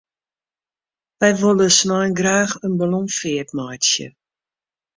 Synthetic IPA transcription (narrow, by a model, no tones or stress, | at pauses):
ʋɛjʋolˠəsnɔjnɡraːxənbəlɔmfɪətmajtsjə̰